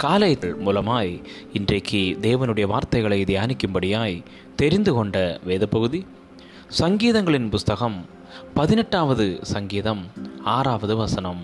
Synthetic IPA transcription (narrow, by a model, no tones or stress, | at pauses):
kaːlɐjt̪ːɐɭmuːlɐmaːj | ɪndrɐɪkʰːɯd̪eːʋɐnɯɽɐjɐʋaːɾt̪ɐɪɣɐɭɐɪd̪ɪjaːnɪkːɯmbɐɽɪjaːj | t̪ɛɾɪnd̪ɯkɔɳɖɐʋeːðɐpːɐɣɯði | sɐŋɡiːðɐŋɡɐɭɪnpʊst̪ɐɣɐm | pɐðɪnɛʈːaːʋɐðɯsɐŋɡiːðɐmaːɾaːʋɐðɯʋɐsɐnɐm